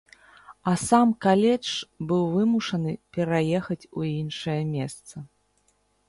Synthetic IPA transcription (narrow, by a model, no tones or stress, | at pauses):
ɐsamkalʲɛt͡ʂbɨwvɨmuʂɐnɨpʲɛɾajɛxɐt͡sʲuinʂɐjɐmʲɛst̪sɐ